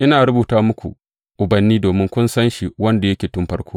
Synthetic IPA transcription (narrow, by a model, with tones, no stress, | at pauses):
ʔɪ˦naː˨ɾʊ˦buː˨taː˦mʊ˦kʷṵ˨ | ʔʊ˨bɐ˨nːiː˦doː˨mɪ˦ŋkʷʊ˦nsɐ˦nʃi˨wɐ˦nda˨jɐ˦kʲeː˨tʊ˦mɸɐ˦rkʷoː˦